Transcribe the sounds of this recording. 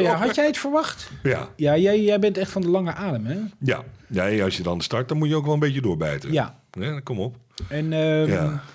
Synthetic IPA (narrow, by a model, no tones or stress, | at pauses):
jaɦɑtjɛjətfərʋɑxtja̰jajɛjɛjbɪntɛxtfɔndəlɑŋəʔaːdəmɛja̰neɑsjədɔndəstɑɹt̚dɔnmutjəowkʋɛlˠənmbetjədʊːɹbɛjtəja | ɦɛkɔmɔpɛnəa